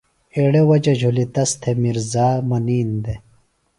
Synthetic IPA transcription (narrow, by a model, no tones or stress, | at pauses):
eɽewɐd͡ʑɐʑʱulit̪ɐst̪ʰemiɾzaːmɐniːnd̪e